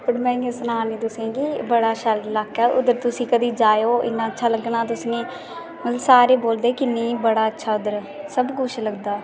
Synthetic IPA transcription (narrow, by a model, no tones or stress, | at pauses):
pəɾmɛ̃ːõːsnaːnĩːd̪ʊsẽːɡiːbəɽaːʃəllaːkʰːɛːʔʊd̪əɾt̪ʊsĩːkəd̪iːd͡ʒaːjoːɪ̰nːãːətːʃʰaːləɡɳaːt̪̬ʊsnẽː | mət̪ləbsaːɾeːboːld̪eːkɪneːbəɽaːətːʃʰaːʊd̪əɾ | səbkʊt͡ʃʰləɡd̪aː